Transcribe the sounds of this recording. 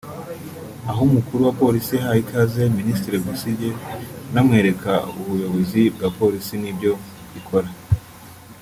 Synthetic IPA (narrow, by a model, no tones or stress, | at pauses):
aɦomukuɾuwapo̞ɾisiahahikʰaze̞ministɾiɾeɡusiɟenamŋe̞ːɾe̞kauβujo̞βo̞zib̚ɡapo̞ɾisinibɟo̞ | βikʰo̞ɾa